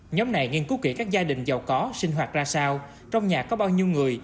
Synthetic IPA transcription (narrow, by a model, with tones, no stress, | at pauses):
ɲɔ˨˦mna˨˩jŋi˧ənku˨˦˥ki˧˩kaː˦˥k̚zaː˧ɗï˨˩ŋ̟za˨˩wkɔ˨˦sï˧ŋ̟ɦwaː˨˩t̚zaː˧saː˧w | t͡ɕɔ˧wŋ͡mɲaː˨˩kːɔ˨˦ɓaː˧wɲi˧əwŋɨ˨˩əj